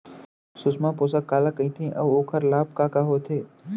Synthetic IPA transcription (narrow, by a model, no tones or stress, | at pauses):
sʊsmãpoːsakːaːlakəĩt̪ʰĩʔɐboːkʰəɾlaːp̚kaːkaɦoːt̪ʰeː